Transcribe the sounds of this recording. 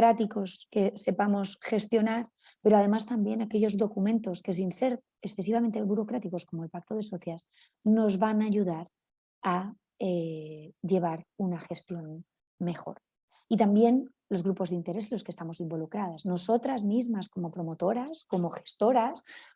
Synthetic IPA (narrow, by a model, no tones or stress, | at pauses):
ɾat̪iko̞ske̞se̞pamo̞sxe̞st̪jo̞naɾ | pe̞ɾoað̞e̞mast̪ambje̞nake̞ʎo̞zðo̞kumẽ̞nt̪o̞ske̞s̬inse̞ɾ | esθe̞s̬iβ̞ament̪e̞βuɾo̞kɾat̪iko̞sko̞moelpak̚t̪oð̞e̞so̞θjas | no̞zβanaʎuðaɾ | a | eʝe̞β̞aɾunaxe̞st̪jo̞n | me̞xo̞̰ɾ | it̪ambje̞n | lo̞zɣɾupo̞zðint̪e̞ɾe̞selo̞ske̞st̪amo̞simbo̞lukɾað̞aszno̞so̞t̪ɾazmizmasko̞mo̞pɾo̞mo̞t̪o̞ɾasko̞mo̞xe̥st̪o̞ɾas